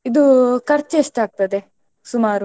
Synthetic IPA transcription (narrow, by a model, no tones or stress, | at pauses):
id̪ukɐɾt͡ʃːeʂʈaːɡ̚t̪ɐd̪e | sumaːɾ